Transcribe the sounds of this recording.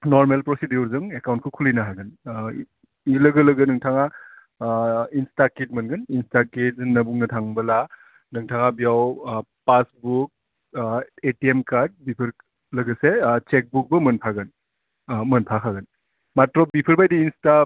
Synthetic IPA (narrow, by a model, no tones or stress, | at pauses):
nɔɾmelpɾɔsidiuɾzɯŋekawntkʰukʰulinaɦaɡɯn | iləɡələɡɯnɯŋtʰaŋa | instakit̚mɯnɡɯninstaked͡ʒnɐbuŋnɐtʰaŋbɐla | nɯŋtʰaŋabijawpasbuk̚ | etiemkaɾd̚bipʰɯɾ | lɐɡɯset͡ʃek̚buk̚bɐmɯnpʰaɡɯn | mɯnpʰakʰaɡɯn | matɾɔbipʰɯɾbajdiːnsta